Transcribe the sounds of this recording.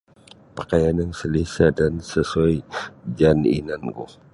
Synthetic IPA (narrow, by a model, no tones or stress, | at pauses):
pakajanaŋsəlisadansəsuad͡ʒanḭnanɡṵh